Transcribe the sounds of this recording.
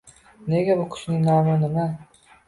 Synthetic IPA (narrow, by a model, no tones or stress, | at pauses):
neɡʲabʊkʰʊ̥ʃnɪŋnaːmunɪma